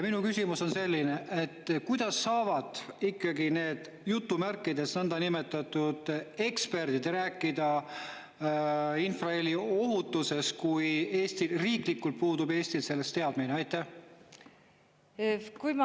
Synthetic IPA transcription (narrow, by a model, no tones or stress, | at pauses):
jɑminukysʲimuso̞nse̞lʲːineʔet̪ːkujd̪̥ɑsːɑːvɑd̪̥ikːˑɑɡine̞ːd̪̥ | jut̪ːumærkːˑid̪e̞snænd̪̥ɑnime̞t̪ːˑɑt̪ud̪̥e̞kspe̞rd̪̥id̪̥ɾæːkːˑid̪ɑ | infrɑelio̞ɦut̪ːˑuse̞skuje̞ːst̪ilriːklikːult̪̚puːd̪ube̞ːsʲt̪ilse̞lːe̞st̪ːe̞ɑd̪̥mineɑjt̪ːæh | kum